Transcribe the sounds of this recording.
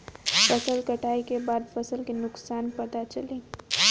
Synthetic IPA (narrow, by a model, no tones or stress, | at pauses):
fɐsəlkɐʈʰaːikebaːd̪fɐsəlkinʊksaːnpɐt̪at͡ʃɐlĩː